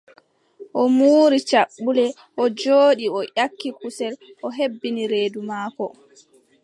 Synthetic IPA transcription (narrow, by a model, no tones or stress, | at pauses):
ʔɔmuːɾit͡ʃaɓːulɛ | ʔɔd͡ʒoːɗiɔʔʲakːikusɛlʔɔɦebːiniɾeːdumaːkɔ